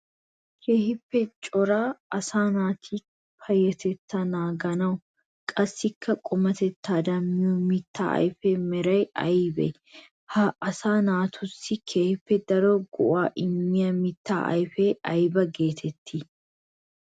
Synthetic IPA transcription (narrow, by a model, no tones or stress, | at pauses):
kʰeːhɪpːɛt͡ʃʼɔɾaːɐsaːnaːt̪ʰiː | fɐjːɛt̪ɛt̪ːɐnaːɡɐnɐʊ | kʼɐsːɪkʰːɐkʼɔmɐt̪ɛt̪ːaːd̪ɐmːɪjumɪt̪ːa̰ːɐ̰jfeːmɛɾɐjɐjbɛ̰ | hɐɐsaːnaːt̪ʰʊsɪkʰeːhɪpːɛd̪ɐɾoːɡʊʔaːʔɪmːɪjɐmɪt̪ːa̰ːʔɐ̰jfeːʔɐjbɐɡe̞ːt̪ʰɛt̪ːɪ